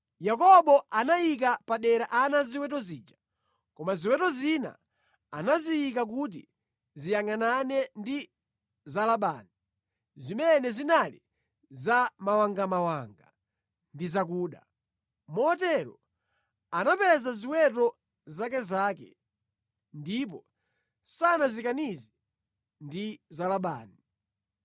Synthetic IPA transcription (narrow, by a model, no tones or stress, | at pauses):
jakɔɓɔʔanajik̬apaɗɛɾaʔanaziwɛtɔziːd͡ʒa | kɔmaziwɛtɔzina̰ | anazijikak̬ut̬ḭ | zijaŋananɛndi | zalaɓa̰ːni | zimɛnɛzinali | zamawaŋɡamawaŋɡa | ndizak̬uːɗa̰ | mɔɔtɛɾɔ̰ | anapɛzaziwɛt̬ɔ | zak̬ɛzaːkɛ̰ | ndip̬ɔ | sanazikanizi | ndizalaɓa̰ːni